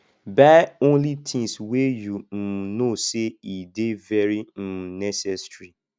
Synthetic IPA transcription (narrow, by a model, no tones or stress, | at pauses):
baɪõnlitʰĩŋswejum̩noseidevɛɹim̩nɛsɛsɹi